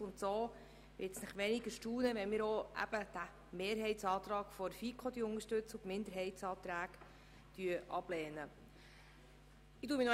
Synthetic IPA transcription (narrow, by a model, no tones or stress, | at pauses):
ʊnt̪soː | ʋɪtsnəχʋɛnɪɡəʃtuːnəʋɛnmɪːɾoʔæ̰b̥əd̥̪æ | meːɾɦɛɪtsɑːt̪ɾɑːkfɔɾfikʰχɔd̪iəʊŋəʃtɵt͡sʊmɪnd̪əɾɦɛɪtsɑːt̪ɾæːk | t̪yəʔɑb̥lɛːnə | ɪduːminɔ